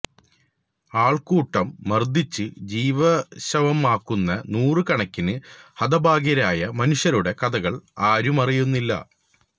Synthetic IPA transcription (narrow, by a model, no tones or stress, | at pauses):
aːɭkuːʈːɐmːɐrd̪ʱit͡ɕːɨd͡ʑiːʋɐɕɐʋɐmaːkːunːɐnuːrɨkɐɳɐkʲːinɨhɐd̪ɐbʱaːɡɐɾaːjɐmɐnuʂjɐɾuɽe̞kɐd̪ɐɣɐɭaːɾumɐrijunːilːɐ̰